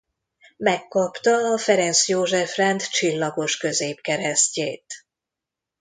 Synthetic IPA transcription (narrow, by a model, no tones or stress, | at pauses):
mɛkːɒpt̪ɒːfɛɾɛnsjoːʒɛfrɛnt̪t͡ʃilːɒɡo̞ʃkø̞zeːpkɛɾɛsceːt̪